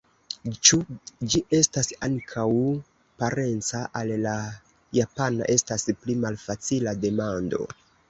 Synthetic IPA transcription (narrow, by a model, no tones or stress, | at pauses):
t͡ʃud͡ʒiʔe̞stasaŋkʰaw | paɾe̞nt͡saʔalːa | japana̰ʔe̞stasplimalfat͡silade̞mando̞̰